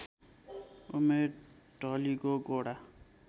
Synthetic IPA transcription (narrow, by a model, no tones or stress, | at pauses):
ume | ʈɔliɡoɡoɽa